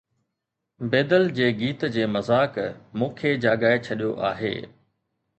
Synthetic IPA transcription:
beːd̪əld͡ʑeːɡiːt̪d͡ʑeːmɐzaːkmũːkʰed͡ʑaːɡaːet͡ɕʰɐɗijo̰ʔa̰ːɦḛː

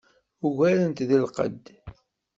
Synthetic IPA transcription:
uʝæɾənt̪ðilqə̰d̪

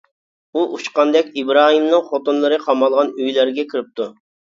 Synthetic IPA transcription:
uʔut͡ʃqɑnd̪ɛkʲibɾɑːɦimnɨŋχot̪unlˠɨɾɨqʰɑmɑlˠʁɑnyjlæɾɡʲɛkʲʰiɾɪp̚t̪ʰu

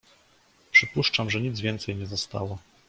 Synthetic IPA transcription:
pʂɘpuʂt͡ʂamʐɛɲid̪zvʲjɛnt̪sɛjɲɛzɔst̪a̰wɔ

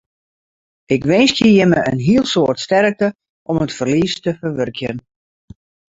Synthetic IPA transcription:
ɪkʋɪnstjəjɪməʔə̰nɦiəlˠsoːrtstɛrk̚tə | ʔɔmətfərlistəfərʋørkʰjən

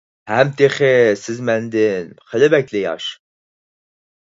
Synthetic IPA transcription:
hæmt̪ʰeχesɪzmænd̪ɪnχɪlɪbækʲlɪjɑ̰ʃ

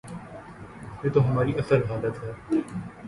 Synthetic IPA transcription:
jeːt̪oɦɐmaːɾiɐsəɾɦaːlət̪ɦɛː

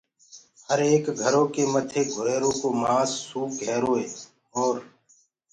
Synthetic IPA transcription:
həɾeːkɡʱəɾõːkeːmət̪ʰeːɡʱʊɾeːɾõːkoːmaːsːuːk̚ɡʱeːɾoːɦeː | oːɾ

